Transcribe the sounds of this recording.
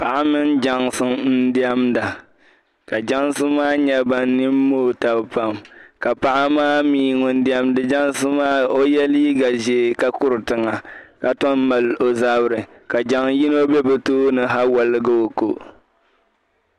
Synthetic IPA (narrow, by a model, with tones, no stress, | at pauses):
pa˨ʔa˦mɨ˦nd͡ʒa˨ŋsɨ˦mn̩˦di˦ɛ˦mda˨ | ka˨d͡ʒa˦ŋsɨ˦maː˦ɲɛ˦ba˨n˦nɪ˦mː˦oː˦ta˨bpa˦mka˨pa˨ʔa˦maː˦miː˨ŋʊ˨n˦di˦ɛ˦mdɨ˨d͡ʒa˦ŋsɨ˦maː˦o˦jɛ˦liː˦ɡa˨ʒe˨ka˦kʊ˦ɾɨ˨tɨ˨ŋa˨ka˨tɔ˦mma˨lo˨za˦bɾɨ˨ | ka˨d͡ʒa˦ŋji˦no˦bɛ˦bɛ˨toː˦nɨ˨ɦa˦wa˨lɨ˦ɡa˦o˨ko˨